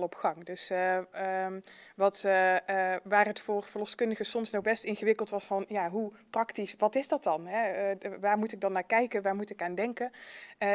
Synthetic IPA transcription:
lɔpχɑŋdɵs | ʋɑt | ʋaːrɦətfoːrvərlɔxskɵndəɣəsɔmsnɔxbɛstɪnɣəʋɪkəlˠtʋɑsfɑnjaːɦuprɑktisʋɑtɪzdɑtɑnɦɛʋaːɹmutɪɡ̚dɑnːaːɹkɛjkənʋaːɹmutɪkaːndɛŋkə

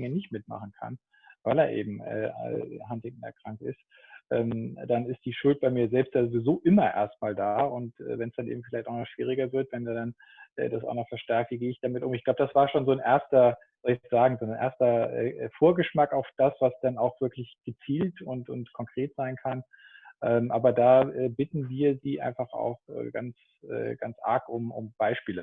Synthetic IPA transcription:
ɪŋənɪçtmɪtma̰χn̩kʰa̰n | vaɪlḛɐʔḛːbm̩ʔɛ̰ːɦantɛŋk̚n̩ɛ̰ɐkʁ̥aŋk̚tɪ̰st | ʔɛ̰ːmd̥anɪstd̥iːʃʊlt̚b̥aɪmiːɐzɛlpstjaːzovizoːʔɪmɐʔḛːɐst̚maːldaːʊntʔɛ̰ːvɛnsd̥anʔḛːbm̩fɪlaɪçtaʊnɔχʃv̥iːʁ̞ɪɡɐvɪɐtvɛneːɐdan | ʔɛ̰ːdasa̰ʊxnɔχfɛɐʃtɛɐk̚tv̥iːɡeːɪçd̥amɪtʊmɪçɡ̥laʊbədasv̥aːɐʃoːnzoːnʔeɐstɐ | z̥ɔlɪçɛsz̥aːɡŋ̩zoːnnʔḛːɐstɐʔɛ̰ːfoːɐɡəʃmakaʊfd̥asv̥asd̥anaʊxv̥ɪɐklɪçɡ̥ət͡siːltʊntʊntkʰɔŋkʁ̥eːtz̥aɪnkʰan | ʔɛːmʔaːbɐdaːɛːbɪtn̩viːɐziːʔa̰ɪnfaχa̰ʊxʔɛ̰ːɡ̥a̰ns | ʔɛ̰ːɡ̥a̰nt͡sʔa̰ɐkʊmʊ̰mb̥aɪʃpiːlə

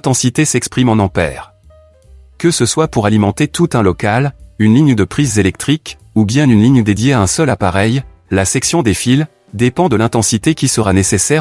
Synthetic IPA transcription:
t̪ɑ̃sit̪esɛkspχimɑ̃nɑ̃pɛ̰ːʁ | kəsəswapuʁalimɑ̃t̪et̪ut̪ɛ̃lɔkalynliɲd̪əpχizːelɛk̚t̪χik | ubjɛ̃ynliɲd̪ed̪jeaɛ̃sœlapaʁɛj | lasɛksjɔ̃d̪efil | d̪epɑ̃d̪əlɛ̃t̪ɑ̃sit̪ekʲisəʁanesesɛʁ

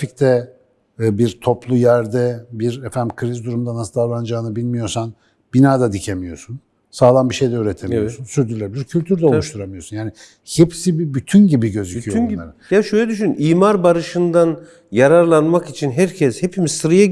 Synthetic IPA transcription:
fict̪ʰɛ | biɾt̪ʰo̞plˠujæɾd̪ɛbiɾefænkʰɯɾizd̪uɾumd̪anasɯd̪avlˠand͡ʒaːɯnɯbilʲmijo̞ɾsan | b̥inaːd̪ad̪icʰemijo̞sun | saːlˠanbiʃe̞jd̪ɛyːɾet̪ʰemiosunsyɾd̪ylʲɛbiiɾcʰylʲt̪ʰyɾd̪ɛolˠuʃt̪ʰuɾamɯijo̞sunjaːni | hepsibibyt̪ʰynɟibiɟø̞zycʰijoaɾɯjaʃøjlʲɛd̪yʃ̬ynymiːmaɾbaɾɯʃɯnd̪an | jaɾaɾlˠanmakit͡ʃʰinɦæɾcʰɛshepʰimiz̥sɯɾaja

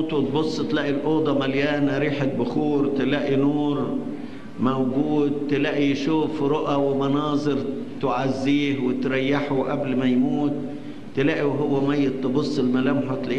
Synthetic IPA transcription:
t̪ut̪̚bʊsˤːt̪laːʔilʔoːd̪ˤɑmaljaːnaɾiːħɪt̪̚bʊxuːɾˤt̪ɪlaːʔinuːɾ | mawɡuːd̪̚t̪ɪlaʔiʃuːfɾʊʔawɪmɑnɑːzˤɨɾt̪ʕazːiːhwɪt̪ɾajːaħʊʔablmajmuːt̪̚ː | ɪlaːʔiwɦʊwːamajːɪt̪ːɨbʊsˤːɪlmalamħʊt̪lʔ

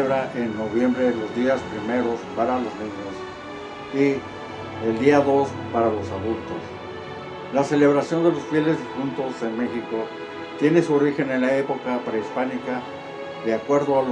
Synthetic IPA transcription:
βɾaʔenːo̞βje̞mbɾeðelo̞zðiaspɾime̞ɾo̞spaɾalo̞znĩɲos | i | eld̪iaðo̞s | paɾalo̞saðult̪o̞s | lase̞le̞β̞ɾasjo̞nd̪e̞lo̞sfje̞le̞zðifunt̪o̞se̞nme̞xiko̞ | t̪je̞ne̞suoɾixe̞ne̞nlae̞po̞kapɾeispanika | ðeakwe̞ɾðoal

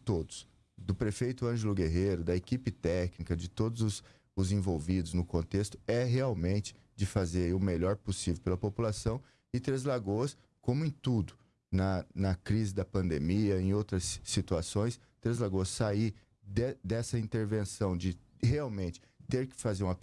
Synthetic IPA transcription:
ɪt̪od̪ʊs | d̪ʊpɾefejt̪ʊɐ̃ʒelʊɡeɦeɾʊd̪ɐekipɪt̪ɛknikɐd͡ʒɪt̪od̪ʊzʊs | ʊzẽvowvid̪ʊznʊkõnt̪est̪ʊ̥ɛɦeawmẽnt͡ʃɪ̥ | d͡ʒɪfazeɾiʊmeʎɔɾpʊsivewpelɐpopulasɐ̃w̃ | ɪt̪ɾezlaɡoɐs | kõmʊẽj̃t̪ud̪ʊ | nɐnɐkɾizɪd̪ɐpɐ̃nd̪emiɐẽj̃owt̪ɾɐsːit̪uasõj̃s | t̪ɾezlaɡoɐsːai | d̪ɛd̪ɛsɐĩnt̪eɾvẽsɐ̃w̃d͡ʒɪ | heawmẽnt͡ʃɪ̥t̪eɾkɪ̥fazeɾũmɐ

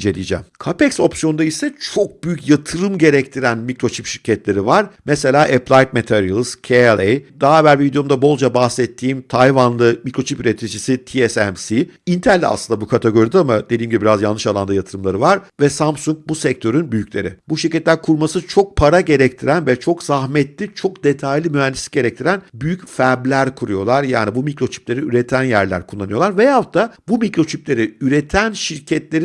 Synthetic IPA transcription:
ind͡ʒelʲḭjd͡ʒɛ̰mkʰapɛkso̞psijo̞nd̪aisɛt͡ʃʰo̞k̚byjycjat̪ʰɯɾɯmɟe̞ɾɛct̪ʰiɾænmicɾo̞t͡ʃʰipʃiɾcʰɛt̪lʲe̞ɾivaɾmɛse̞lʲaːʔɛpʰlˠajt̪̚met̪ʰeɾiilˠz̥cʰeɛlˠejd̪aabæɾviid̪jo̞md̪abo̞lˠd͡ʒabahsɛt̪ʰːiːmt̪ʰajvanlˠɯmikɾo̞t͡ʃʰipyɾet̪ʰid͡ʒisit̪ʰiɛsɛmsiint̪ʰæɾl̰ʲːa̰slˠɯnd̪abukʰat̪ʰeɡo̞ɾid̪ɛamad̪̥e̞d̪iːmɟibibiɾazjalnːɯʃalˠand̪ajat̪ʰɯɾɯmlˠaɾɯvaɾvɛsampsuŋk̚busɛc̚t̪ʰø̞ɾynbyjycʰʲlʲe̞ɾɪ̰buʃiɾcɛt̪lʲæɾkʰuɾmasɯt͡ʃʰo̞k̚pʰaɾaɟe̞ɾɛct̪ʰiɾænvɛt͡ʃʰo̞kzahmɛt̪lʲit͡ʃʰo̞kd̪e̞t̪ʰajlʲimyɦɛnd̪isiɟe̞ɾɛc̚t̪ʰiɾænbyjycfæɾblʲæɾkʰuɾujo̞lˠaɾjaːnibumikɾo̞t͡ʃʰi̥p̚lʲe̞ɾiyɾet̪ʰænjæɾlʲæ̰ɾkʰulˠːanɯjo̞lˠaɾvɛjaft̪ʰabumicɾo̞t͡ʃʰiplʲe̞ɾiyɾet̪ʰænʃiɾcʰɛt̪lʲe̞ɾ

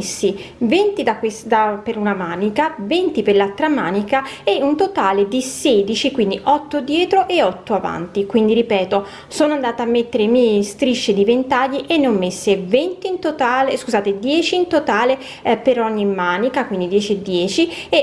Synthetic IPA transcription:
sːi | vent̪id̪akwesd̪apeɾunamaːnikavent̪iperlalt̪ːɾamaːnikaeunt̪ot̪aːled̪iseːd̪it͡ʃikwind̪iʔɔt̪ːod̪jɛːt̪ɾoʔeɔt̪ːoava̰nt̪ikwind̪iɾipɛːt̪o | soːnoand̪aːt̪amːet̪ːeɾemɛst̪ɾiʃːed̪ivent̪aʎːiʔenːɔmːesːevɛnt̪iːnt̪ot̪aːleskuzaːt̪ed̪jɛːt͡ʃiːnt̪ot̪aːle | peɾɔɲːimːaːnikakwind̪id̪jɛːt͡ʃed̪ːjɛːt͡ʃie

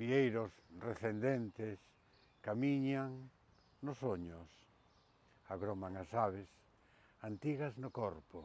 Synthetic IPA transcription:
biejɾʊsreθend̪ent̪es | kamiɲaŋ | nʊsoɲʊs | aɣɾomaŋasaβ̞es | ant̪iɣɐznʊkɔɾpʊ

